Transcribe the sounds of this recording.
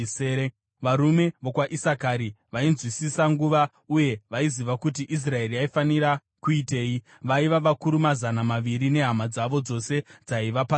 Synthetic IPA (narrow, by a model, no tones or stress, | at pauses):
e | ʋaɾume̞ʋo̞kwaʔisakaɾi | ʋainzwisisaŋɡuʋa | uje̞ʋaiziʋakutiʔis̬rae̞riaifaniɾa | kuite̞ːji | ʋaiʋaʋakuɾumazanamaʋiɾine̞ɦamad͡zaʋo̞d͡zo̞se̞d͡zaiʋapa